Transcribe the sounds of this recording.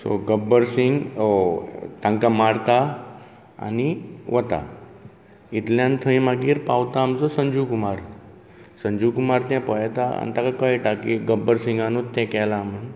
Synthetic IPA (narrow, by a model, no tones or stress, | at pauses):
so̰ɡəbəɾsiŋɡ | t̪ãŋkamaɽt̪a | a̰niʋət̪a̰ | it̪ljãnt̪ʰəĩmaɡiːɾpawt̪aːmt͡sɔsəɲd͡ʑukumaɾ | səɲd͡ʑukumaɾt̪jãpəjt̪aa̰nt̪akakəjʈakiɡəbːəɾsiŋɡanut̪ːɛ̃kɛlam̤əɳ